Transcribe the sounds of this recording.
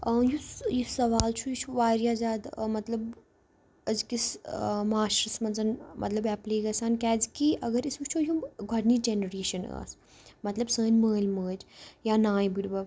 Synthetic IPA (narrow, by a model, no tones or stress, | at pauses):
əjujisɐʋaːlt͡ʃʰujit͡ʃʰuʋaːɾjaːzʲaːd̪mɐt̪lɐb | ɐzkismaːʃɾɐsmɐnzɐnmʔɐt̪lɐbɛpliːɡɐsaːnkʲɛːd͡zkiʔɐɡɐɾisut͡ʃʰojuɡʱɐɽnid͡ʒenɐɾeːʃɐna̰ːs | mɐt̪lɐbsə̃ːnʲməːlʲməːd͡ʒjaːnaːjbiɾbɐ